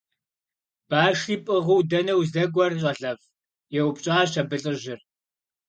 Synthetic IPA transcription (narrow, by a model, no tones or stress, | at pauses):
b̥aːʂiːpʼɨʁuwdɐnɐwzɐɡʷɔrɕʼɐɮɐf | jɛwpɕʼaːɕɐbɨɬʼɨʑɪr